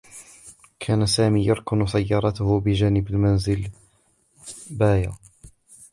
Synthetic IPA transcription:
kʰaːnasaːmiːjɑɾˤkʊnsajːɑːɾˤɑt̪ʊhʊbɪd͡ʒaːnɪbalmanzɪl | baːja̰

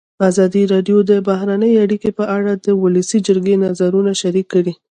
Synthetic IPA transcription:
azɑd̪iɾɑɖjod̪əbaɦɾanəjeaɽikepəʔaɽad̪əwʊləsid͡ʒəɾɡenazaɾunaʃaɾikːəɽi

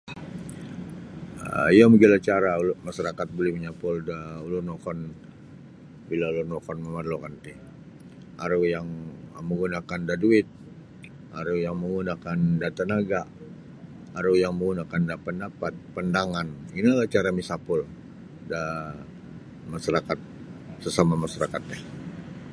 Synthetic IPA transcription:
əijaməɡilat͡ʃaɾaulmasaɾakat̪̚bolɛhməɲapʊldaulʊnokɔn | bilaulurnokɔnməmarlokant̪i | aɾujaŋməŋɡunakandaduɪt̪̚ | aɾujaŋməŋɡunakandat̪anaɡa | aɾujaŋməŋɡunakandapəndapat̪̚pəndaŋaninalaht͡ʃaɾamisapʊl | da | masaɾakat̪̚ | səsamamaʃaɾakat̪̚ɲa

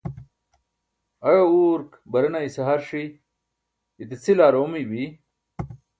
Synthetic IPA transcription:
ɐjouːɾk | bɐɾɐnaiseɦɐɾʂi | t̪it͡sʰilaːɾoːmibi

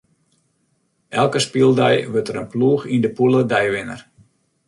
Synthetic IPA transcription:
ʔɛlˠkəspilˠdɛjʋøtəɾənpluəxindəpulədɛjʋɪnə̰r

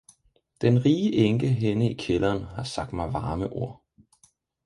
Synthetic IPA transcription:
d̥enʁiːəʔeŋɡ̥əɦenəikʰelɐːnhɑ̈sɑ̈ɡ̥̚d̥mɑ̈ɪʋɑ̈ːməʔo̝ɐ̰

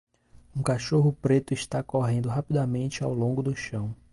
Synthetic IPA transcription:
ũkaʃoɦʊpɾet̪ʊɪʃt̪akoɦẽnd̪ʊɦapid̪amẽnt͡ʃɪawlõɡʊd̪ʊʃɐ̃w̃

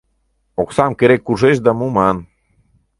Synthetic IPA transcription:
oksɑmkeɾekːuʒeʃ̬d̪ɑmumɑn

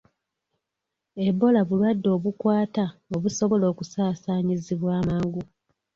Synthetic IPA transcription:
ebːo̞laβulwadːo̞ːβukwaːtao̞βuso̞βo̞lo̞ːkusaːsaːɲiziβwaːmaːŋɡu

